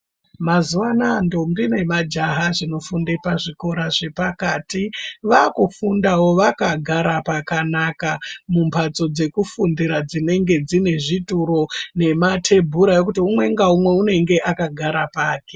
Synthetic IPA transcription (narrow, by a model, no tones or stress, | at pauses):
mazuwanando̞mbine̞mad͡ʒaɦaʐino̞funde̞paʐiko̞ɾaʐe̞pakaːtiʋakufundawo̞ʋakaɡʱaɾapakanakamumpʰat͡so̞d͡ze̞kufundiɾad͡zine̞ŋɡe̞d͡zine̞ʐituɾo̞ne̞matʰe̞bʱuɾajo̞k̬utiumwe̞ŋɡaumwe̞une̞ŋɡe̞ʔakaɡʱaɾapaːke̞̥